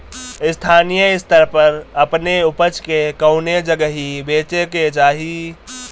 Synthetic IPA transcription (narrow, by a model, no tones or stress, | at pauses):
ɪst̪ʰaːnijəɪst̪əɾpəɾəpneʊpət͡ʃkekəʊned͡ʒəɡəɦibeːt͡ʃeked͡ʒaːɦi